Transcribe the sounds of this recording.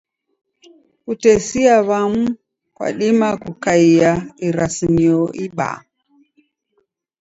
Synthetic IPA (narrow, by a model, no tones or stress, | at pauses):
kutɛsiaβam̩ | kwa̰ɗimakukaiaiɾasimiɔʔiɓa̰